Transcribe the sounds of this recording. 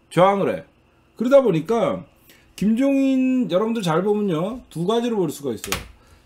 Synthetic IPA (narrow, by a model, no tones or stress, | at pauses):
t͡ɕoaŋɯɾe̞̰ | kɯɾʌdaboɲik͈a | kimd͡ʑoŋinjʌɾʌbɯndɯɭt͡ɕaɭbomɯɲjotuɡad͡ʑiɾopʌɭs͈uɡais͈ʌ̰jo̰